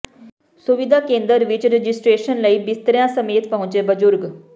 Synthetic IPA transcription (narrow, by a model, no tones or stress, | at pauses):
sʊʋɪd̪ʱaːkẽːnd̪əɾʋɪt͡ʃɾed͡ʒɪsʈɾeːʃənləiːbɪst̪əɾijãsəmeːt̪̚pəɦʊ̃nt͡ʃeːbəzʊɾɡ